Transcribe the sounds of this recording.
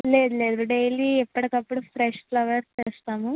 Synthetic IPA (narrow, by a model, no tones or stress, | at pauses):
le̞ːd̪ule̞ːd̪uɖejliːɛpːɐɽɐkɐpːuɽupʰɾɛʂklɐʋɐɾeːst̪aːmu